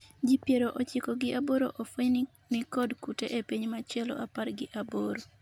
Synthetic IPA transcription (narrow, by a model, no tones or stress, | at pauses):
d͡ʒipjeɾoʔot͡ʃɪkɔɡɪʔaboɾoʔofoɲ | nɪkɔdkuteʔepiɲmat͡ʃɛlɔ̰ʔaparɡɪʔaboɾo